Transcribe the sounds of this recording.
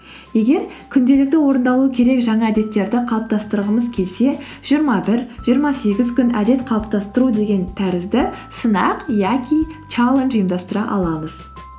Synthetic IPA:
je̞ɡʲe̞ɾkʲʰʏnd̪e̞lɪk̚t̪ɪwo̞ɾənd̪ɑlˠuəkʲʰe̞ɾe̞kʒɑɴɑæd̪e̞t̪ːe̞ɾd̪ɪqʰɑlˠəp̚t̪ɑst̪əɾəʁəməzkʲʰe̞lse̞ | ʒ̥ijəɾmɑbɪɾʒijəɾmɑse̞ɡʲɪzkʲʏnæd̪e̞t̪qʰɑlˠəp̚t̪ɑst̪əɾud̪e̞ɡʲe̞nt̪ʰæɾɪzd̪ɪsənɑqjakʲʰit͡ʃalˠenʒijəmd̪ɑst̪əɾɑ̰ʔɑ̰lˠɑməz

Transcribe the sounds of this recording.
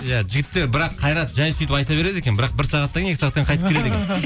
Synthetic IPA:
jæʒɪɡʲɪt̪ːe̞ɾbɪɾɑqʰɑjɾɑt̪ʒɑjsʏjt̪ɪpɑjt̪ɑβe̞ɾe̞d̪e̞kʲenbɪɾɑq̚bɪɾsɑʁɑt̪ːɑŋekʲɪsɑʁɑt̪ːɑɴqʰɑjt̪əpkʲʰɾe̞d̪ekʲen

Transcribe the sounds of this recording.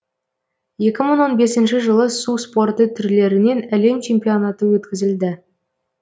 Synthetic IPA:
je̞kʲɪməɴwo̞nbe̞sɪnʃɪʒəlˠəsuspo̞rt̪ət̪ʰʏɾle̞ɾɪne̞næle̞mt͡ʃʰe̞mpijo̞nat̪əwɵt̪kʲɪzɪld̪ɪ

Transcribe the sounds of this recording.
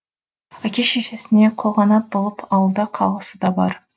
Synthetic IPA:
ækʲeʃeʃesɪne̞qʰoʁɑnɑt̪̚bolˠəpʰɑwəlˠd̪ɑqʰɑlˠʁəsəd̪ɑbɑ̰ɾ

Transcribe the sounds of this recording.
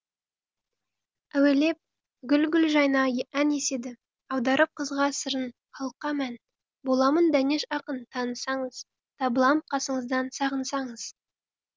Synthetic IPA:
æwele̞p̚ | ɡʲʏlɡʲʏlʒɑjnɑjæne̞se̞d̪ɪ | ɑwd̪ɑɾʔəp̚qʰəzʁɑsəɾən | qʰɑlˠəqːɑmæn | bo̞lˠɑmənd̪æne̞ʃɑqənt̪ʰɑnəsɑɴəz̥ | t̪ʰɑbəlˠɑmqʰɑsəɴəzd̪ɑnsɑʁənsɑɴəz̥

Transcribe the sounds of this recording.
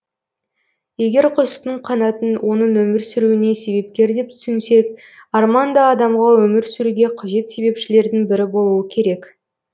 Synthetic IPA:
je̞ɡʲe̞ɾqʰʊzət̪əɴqʰɑnɑt̪ənwʔo̞nəɴwɵmɪɾsʏɾuɪne̞se̞βe̞p̚kʲe̞ɾd̪e̞p̚t̪ʰʏ̥sɪnse̞k | ɑɾmɑnd̪ɑːd̪ɑmʁɑwɵmɪɾsʏɾuɡʲe̞qʰɑʒe̞t̪se̞be̞pʃɪle̞ɾd̪ɪŋbɪɾɪbo̞lˠuwəkʲʰe̞ɾe̞k

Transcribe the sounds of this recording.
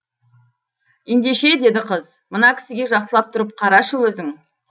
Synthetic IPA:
jend̪e̞ʃe̞d̪e̞d̪ɪqʰəz | mənɑkʲʰɪ̥sɪɡʲe̞ʒɑqsəlˠɑp̚t̪ʰʊɾəp̚qʰɑɾɑʃəwɵzɪŋ

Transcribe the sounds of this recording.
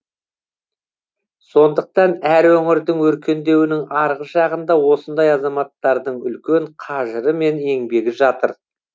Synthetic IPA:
so̞nd̪əq̚t̪ɑnæɾwɵŋɪɾd̪ɪŋwɵɾkʲe̞nd̪e̞wɪnɪŋɑɾʁəʒɑʁənd̪ɑwo̞sənd̪ɑjɑzɑmɑt̪ːɑɾd̪əɴʏ̰lkʲeɴqʰɑʒəɾəme̞ne̞ŋbe̞ɡʲɪʒɑt̪əɾ

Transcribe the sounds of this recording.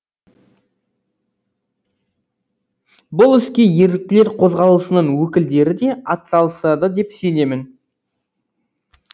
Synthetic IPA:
bʊlˠʏskʲe̞je̞ɾd̪ɪk̚t̪ɪle̞ɾqʰo̞zʁɑlˠəsənəɴwɵkʲɪld̪e̞ɾɪd̪e̞ɑt̪sɑlˠəsɑd̪əd̪e̞pse̞ne̞mɪn

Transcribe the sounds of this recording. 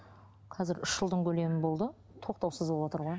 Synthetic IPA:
qʰɑzɪɾʏʃʒ̥əlˠd̪əɴkʲʰɵle̞mɪnbo̞lˠd̪ə | t̪ʰo̞q̚t̪ɑwsəzbolˠwot̪əɾʁoj

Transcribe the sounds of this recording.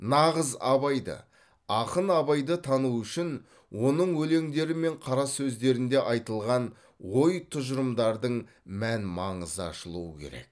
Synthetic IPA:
nɑʁəzɑ̰βɑjd̪ə̰ | ɑqənɑβɑjd̪ət̪ʰɑnuwʏʃɪn | wʔo̞nəɴwɵle̞ŋd̪e̞ɾɪme̞ɴqʰɑɾɑsɵzd̪e̞ɾɪnd̪e̞ʔɑjt̪əlˠʁɑn | wo̞jt̪ʰʊʒəɾəmd̪ɑɾd̪əɴ | mænmɑɴəzəɑ̰ʃəlˠuwəkʲʰe̞̰ɾe̞̰k̚

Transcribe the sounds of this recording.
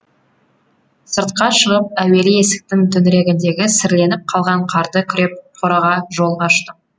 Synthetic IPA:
səɾt̪qɑʃəʁəp̚æwe̞lɪje̞sɪ̥k̚t̪ɪŋt̪ʰʏnɾe̞ɡʲɪnd̪e̞ɡʲɪsɪɾle̞nɪp̚qʰɑlˠʁɑɴqʰɑɾd̪əkʲʰʏɾe̞p̚qʰoɾɑʁɑʒo̞lˠʁɑʃt̪əq

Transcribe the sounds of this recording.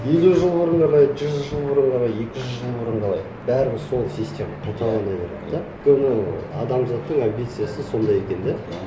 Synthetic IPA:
je̞luʒəlˠbʊɾəɴʰɑlˠɑjd͡ʒʏzʒəlˠbʊɾəɴqʰɑlˠɑje̞kʲɪʒɪʒəlˠbʊɾəɴqʰɑlˠɑ̰j | bæɾɪbɪso̞lˠsisʲt̪ʲe̞mɑt̪ʰɑt̪ʰɑlˠɑnɑjbeɾḛtd̪ɑkʲʰɵbɪnɪɑ̰d̪ɑmzɑt̪ːəɴambʲit̪sɨjasəso̞nd̪ɑjekʲe̞nd̪e

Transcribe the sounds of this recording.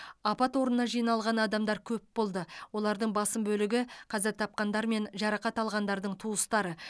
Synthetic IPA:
ɑpɑt̪wo̞ɾənːɑʒijnɑlˠʁɑnɑd̪ɑmd̪ɑɾkʲʰɵpbo̞lˠd̪əwo̞lˠɑɾd̪əɴbɑsəmbɵlɪɡʲɪqʰɑzɪɾt̪ʰɑp̚qɑnd̪ɑɾme̞nʒɑɾɑqɑt̪ɑlˠʁɑnd̪ɑɾd̪əɴt̪ʰuəst̪ɑɾə

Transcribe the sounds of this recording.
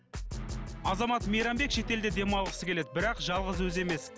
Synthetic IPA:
ɑzɑmɑt̪mejɾɑmbe̞kʃe̞t̪e̞ld̪ed̪e̞mɑwlˠəqəsəkʲʰe̞le̞d̪ɪbɪɾɑqʒɑlˠʁəzwɵze̞me̞s

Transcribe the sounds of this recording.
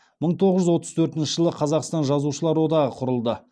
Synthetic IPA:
məɴt̪ʰo̞ʁəʒʏzwo̞t̪əz̥t̪ʰɵɾt̪ɪnʃɪʒəlˠəqʰɑzɑqst̪ɑnʒɑzuʃəlˠɑɾwo̞d̪ɑʁəqʰʊɾəlˠd̪ə

